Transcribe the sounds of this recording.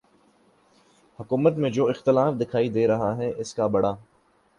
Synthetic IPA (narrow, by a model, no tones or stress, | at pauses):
hʊkuːmət̪mẽd͡ʒoːɪxt̪ɪlaːfd̪ɪkʰaːid̪eːɾɐɦaɦɛʔɪskabɐɽaː